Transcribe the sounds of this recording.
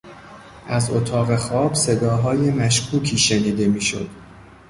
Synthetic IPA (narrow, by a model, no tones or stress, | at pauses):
ʔæzot̪ʰɒːɣe̞xɒːb̥se̞d̪ɒːɦɒːje̞mæʃkʰuːcʰiːʃe̞niːd̪e̞miːʃo̰d̪̥